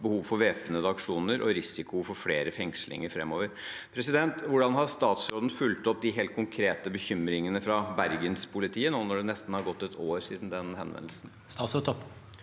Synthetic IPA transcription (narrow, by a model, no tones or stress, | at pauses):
bəhuːʋfɔɾʋeːpənəd̪ɑkʂuːnəɾʔɔɾɪsɪkʊfɔɾfleːɾəfɛŋslɪ̰ŋəɾfɾɛmːoːʋəɾpʰɾɛsɪd̪ɛnt̪ʋʊɖɑnɦɑst̪ɑːt̪sɾoːd̪n̩fʉlt̪ɔp̚d̪ɪɦeːlt̪̚kʰʊŋkʰɾeːt̪əbəçʏmɾɪŋənəfɾɑbæɾɡənspʰʊlɪt̪ʰiːənoːnɔɖɛnɛst̪n̩hɑɾɡɔt̪ːɛt̪ʰoːɾsiːd̪n̩d̪ɛnhɛ̰nʋɛ̰nl̩sn̩ | st̪ɑːt̪sot̪ɔpː